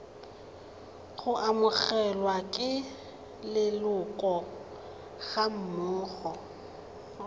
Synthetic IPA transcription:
χʊʔamʊɣɛlwakʼɪ | lɪlʊkʼɔ | ɣam̩mʊːɣɔ

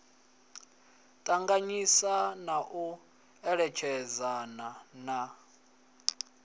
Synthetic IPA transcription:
tʼaŋɡaɲisanaʔu | ɛɺɛt͡ʃʰɛd͡zanana

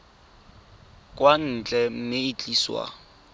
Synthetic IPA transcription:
kʼwan̩t͡ɬʼɛm̩mɪit͡ɬʼiːswa̰

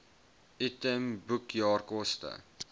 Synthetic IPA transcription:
itəmbukjɑːrkɔstə̰

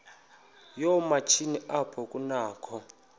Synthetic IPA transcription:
jɔmat͡ʃʰiniʔapʰɔkʼunaːkʰɔ

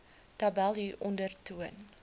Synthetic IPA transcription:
tabælˠiʔɔndərtuən

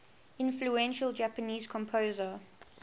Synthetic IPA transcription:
ɪ̃nfluɛ̃nʃəld͡ʒapəniːz̥kʰɔ̃mpʰozə

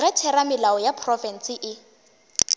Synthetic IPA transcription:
ɣɛtʰɛɾamɪlaɔjapʰrɔfɛn̩sɪʔɪ

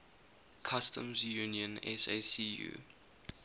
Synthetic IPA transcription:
kʰastʰə̰̃mzjuniə̃nɛ̰sesiːjṵː

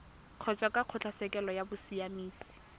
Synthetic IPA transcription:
q͡χʰɔt͡ʃʼwakʼaq͡χʰʊt͡ɬʰasɛkɛlɔjabʊsiamiːsi̥

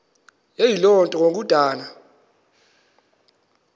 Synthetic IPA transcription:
jejilɔntʼɔok̬ud̥ʱaːna

